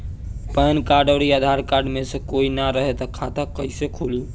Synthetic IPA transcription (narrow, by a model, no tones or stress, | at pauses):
pənkaɾɖəɾiad̪ʱaɾkaɾɖmesə̃koinaɾəɦet̪əkʰat̪akəisekʰuli